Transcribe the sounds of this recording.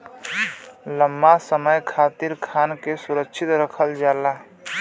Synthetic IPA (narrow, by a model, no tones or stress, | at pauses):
ləmːasəməjkʰat̪iɾkʰankesuɾəkʃʰit̪ɾəkʰəld͡ʒala